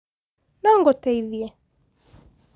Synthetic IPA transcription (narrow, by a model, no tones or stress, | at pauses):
naŋɡɔtɛiðjɛ